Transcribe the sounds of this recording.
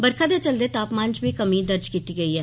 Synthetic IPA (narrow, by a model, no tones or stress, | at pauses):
bɐɾkʰad̪et͡ʃəld̪et̪aːpmãːnd͡ʒbʱikɐmĩd̪ɐɾd͡ʒkiːt̪iɡɐiɦɛː